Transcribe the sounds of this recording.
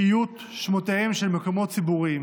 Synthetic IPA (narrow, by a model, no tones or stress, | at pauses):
ijut | ʃmoteemʃelmekomo̞tt͡sibuʁim